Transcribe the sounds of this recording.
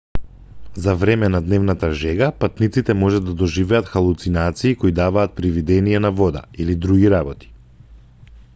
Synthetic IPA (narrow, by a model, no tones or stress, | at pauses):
zavɾɛmɛnad̪nɛvnat̪aʒɛɡapat̪nit̪sit̪ɛmɔʒad̪ad̪ɔʒivɛat̪xalˠut̪sinat̪siːkoid̪avaːt̪̚pɾivid̪ɛnijɛnavɔd̪a̰ilid̪ɾuɡiɾabɔt̪i̥